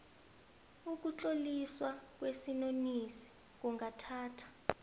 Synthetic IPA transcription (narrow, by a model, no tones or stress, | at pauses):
uk̬ʼut͡ɬʼoliswak̬ʼwesinonisi̥ | k̬uŋɡʱatʰaːtʰḁ